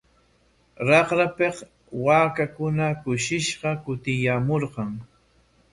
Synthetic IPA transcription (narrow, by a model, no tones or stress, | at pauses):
ɾɑqɾapeq | waːkakʊnakʊʃɪʃɢɑkʊt̪ɪjamoɾɢɑŋ